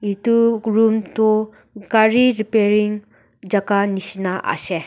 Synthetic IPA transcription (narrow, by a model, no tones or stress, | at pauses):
ituɾumto | kaɾiɾipeɾiŋ | d͡ʒaɡanisinaʔa̰se